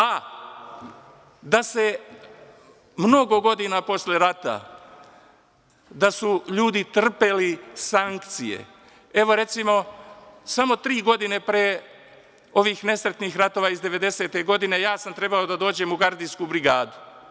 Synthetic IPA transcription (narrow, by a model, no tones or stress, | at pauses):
a | d̪ase̞ | mno̞ɡo̞ɡo̞d̪inapo̞sleɾat̪a̰ | d̪asuʎuːd̪it̪r̩pe̞lisaŋkt̪sḭje̞̰ | e̞ʋo̞ɾe̞t̪simo̞samo̞t̪ɾiːɡo̞d̪ine̞pɾeː | o̞ʋiːxne̞sɾet̪nixɾat̪o̞ʋaizd̪e̞ʋe̞d̪e̞se̞t̪eɡo̞d̪ine̞jaːsamt̪ɾe̞bao̞d̪ad̪o̞ːd͡ʑe̞muɡaɾd̪inskubɾiɡaːd̪u